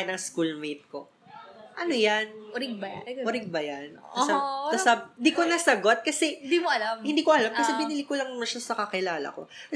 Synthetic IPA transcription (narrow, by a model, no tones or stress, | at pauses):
ɪnɐŋskulmejt̪̚ko̞ | ʔɐnojanɾɪɡ̚bjʊɾɪɡ̚bɐjanɐsɐsɐsand̪ikonɐsɐɡo̞t̪̚kɐsɛnd̪imoʔɐlɐmhɪnd̪iːkoʔɐlamkɐsɛbɪnilikolɐŋmɐʃasɐkɐkɪlaːlɐ̰ko̞̰kɐ